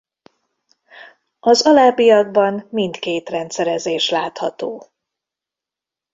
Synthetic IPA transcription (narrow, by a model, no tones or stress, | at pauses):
ɒzɒlaːbijɒɡ̚bɒmmint̪keːt̪rɛnt̪sɛɾɛzeːʃlaːt̪hɒt̪oː